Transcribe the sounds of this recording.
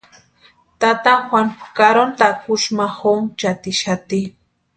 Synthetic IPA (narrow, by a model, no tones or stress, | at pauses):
t̪at̪axwankaɾont̪akʊʃmaxoŋt͡ʃat̪iʃat̪i